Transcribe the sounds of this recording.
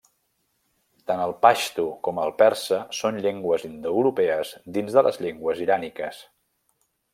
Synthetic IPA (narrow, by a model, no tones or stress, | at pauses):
t̪anəlˠpaʃt̪ukɔməlˠpɛɾsəsonʎeŋɡwəzind̪ouɾupɛəzd̪inzðələ̰zʎeŋɡwəziɾanikəs